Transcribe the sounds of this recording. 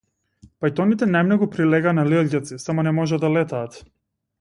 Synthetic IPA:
pajt̪ɔnit̪ɛnajmnɔɡupɾilɛɡaːnalilɟat̪sisamɔnɛmɔʒad̪alɛt̪aːt̪

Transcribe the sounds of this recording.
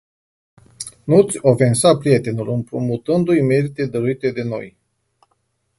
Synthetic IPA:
nut̪sʲo̞fe̞nsapɾije̞t̪e̞nulɨmpɾumut̪ɨnd̪ujme̞ɾit̪e̞d̪əɾuit̪e̞d̪e̞no̞̰j

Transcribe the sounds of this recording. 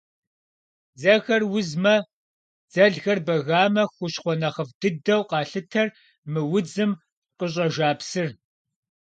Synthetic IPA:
d͡zɐɣɐrwʊzmɐ | d͡zɐɮɣɐrbɐɣaːmɐxʷʊɕχʷɔnɐχəvdɨdɐwqɑːɬɨtʰɐr | mɨwʊd͡zɨm | qəɕ̬ʼɐʒaːpsɨr

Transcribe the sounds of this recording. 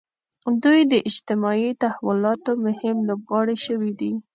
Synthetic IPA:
d̪ujd̪əʔɪd͡ʒt̪ɪmɑit̪ahawʊlɑt̪omʊhɪmlobɣɑɽiʃəwid̪i

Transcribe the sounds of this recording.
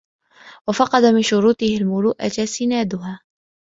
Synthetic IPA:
wafɑqɑd̪amɪnʃʊɾuːt̪ɪhɪlmʊluːʔa̰tasɪnaːd̪ʊɦaː

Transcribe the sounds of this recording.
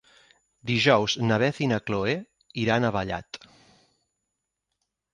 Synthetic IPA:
d̪iʒɔwznəβɛθinəkloe | iɾanəβəʎa̰t̪

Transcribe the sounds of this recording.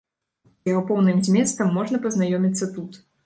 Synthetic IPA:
ɐɔpɔwnɨmzʲmʲɛst̪ɐmːɔʐnɐpɐznajɔmʲit̪sːɐt̪ut̪

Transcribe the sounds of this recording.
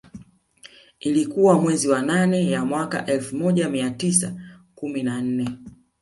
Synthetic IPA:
ilikuwamwɛziwananɛjamwaka̰ʔɛlfumɔʄamiatisakuminan̩nɛ

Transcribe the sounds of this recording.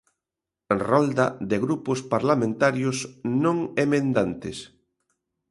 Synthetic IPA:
rɔld̪aðɪɣɾupʊspaɾlamẽnt̪aɾjʊsnõŋemẽnd̪ant̪ɪs

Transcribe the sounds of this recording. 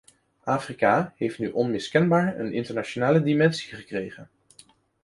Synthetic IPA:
ʔaːfrikaɦejftnyʔɔnmɪskɛnbaːɹə̰nɪ̰ntəɹnat͡ʃonaːlədimɛnsi̥χəkrejχən

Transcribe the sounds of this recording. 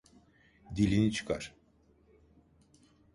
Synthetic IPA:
d̪ilʲinit͡ʃʰɯ̥kɑ̰ɾ

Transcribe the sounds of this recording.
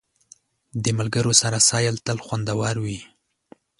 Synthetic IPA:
d̪əmalɡəɾosaɾasɑjəlt̪əlxwand̪awɑɾwi

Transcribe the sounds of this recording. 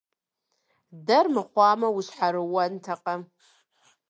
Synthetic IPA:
dɐrmɨχʷɑːmɐwuɕħaɾɨwɐntʰaqʼɐ

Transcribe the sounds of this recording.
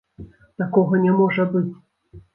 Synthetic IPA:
t̪akɔɣɐnʲɛmɔʐɐbɨt͡sʲ

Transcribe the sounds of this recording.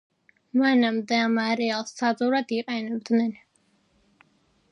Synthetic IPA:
manamd̪ɛamaɾɛalˠssazʼuɾad̪iqʼɛnɛb̚d̪nɛn

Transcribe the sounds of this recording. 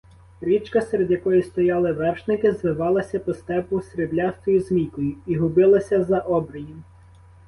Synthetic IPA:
ɾʲit͡ʃkɐsɛɾed̪ʲjɐkɔjist̪ɔjɑlˠɪʋɛrʃnɪkɪzʋɪʋɑlˠɐsʲɐpɔst̪ɛpʊsɾeblʲast̪ɔjizmʲikɔjʊiɦʊbɪlˠɐsʲɐzɐʔɔbɾɐjim

